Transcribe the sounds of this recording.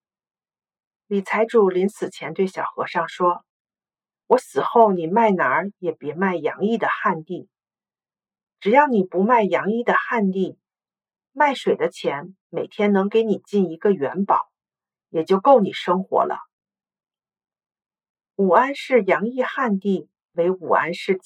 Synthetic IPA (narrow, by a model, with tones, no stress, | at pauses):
li˨˩t͡sʰa˧˥ɪʈ͡ʂu˨˩li˧˥nsɹ̩˨˩t͡ɕʰjɛ˧˥nt̪we˥˩ɪɕjɑ˨˩ʊxɤ̰˧˥ʂɑ˥˩ŋʂwɔ˥ | wɔ˧˥sɹ̩˨˩xo˥˩ʊni˨˩ma˥˩ɪna˧˥jɛ˨˩pjɛ˧˥ma˥˩ɪjɑ˧˥ŋi˥˩d̪ə˩xa˥˧nt̪i˥˩ | ʈ͡ʂɻ̩˨˩jɑ˥˩ʊni˨˩pu˧˥ma˥˩ɪjɑ˧˥ŋi˥˩d̪ə˩xa˥˧nt̪i˥˩ | ma˥˩ɪʂwe˨˩ɪd̪ə˦t͡ɕʰjɛ˧˥n | me˨˩ɪt̪ʰjɛ˥nnɤ˧˥ŋke˧˥ɪni˨˩t͡ɕi˥˩ni˧˥ɡə˧ɥɛ˧˥npɑ˨˩˦ʊ | jɛ˨˩t͡ɕjo˥˧ʊko˥˩ʊni˨˩ʂɤ˥ŋxwɔ̰˧˥lə̰˧ | u˨˩a˥nʂɻ̩˥˩jɑ˧˥ŋi˥˧xa˥˧nt̪i˥˩ | we˧˥ɪu˨˩a̰˥nʂɻ̩˥˧˥